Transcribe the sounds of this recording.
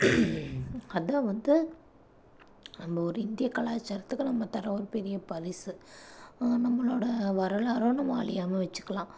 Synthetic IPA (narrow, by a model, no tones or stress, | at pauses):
ɐðãːʋɐnd̪ɯ | nɐmbɐɔɾɯɪnd̪ɪjɐkɐɭaːt͡ʃːɐɾɐt̪ːɯkːɯnɐmːɐt̪ɐɾɐ̃ɔɾɯpɛɾɪjɐpɐɾɪsɯ | nɐmːɐɭoːɽɐʋɐɾɐɭaːɾoːnɐʋaːɭɪjaːmɐʋɛt͡ʃːɯ̥kːɐɭãː